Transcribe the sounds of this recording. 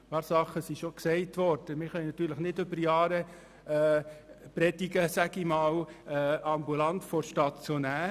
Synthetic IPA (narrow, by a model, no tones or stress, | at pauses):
pɑːɾsɑχəsiʃɔksɛɪtʋɔɾd̥əmɪɾχœnnɑt̪yːɾləχnɪdʏbəɾjɑːɾəː | pɾɛdiɡəsæɡimɑːw | ɑmbulɑntfɔɾʃtɑtt͡sunæː